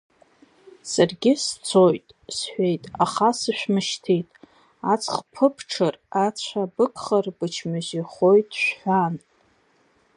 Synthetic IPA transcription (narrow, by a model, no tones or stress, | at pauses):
sarɡʲɪst͡sʰojtʼsħʷᶣejtʼaχasɨʃʷᶣmɨʃtʰijtʼ | at͡sʰχpʰɨpʰʈ͡ʂʰɨrat͡ɕʷʰabɨkʰʼχərbɨt͡ʃʰmɨʒiχo̞jtʼʃᶣħʷan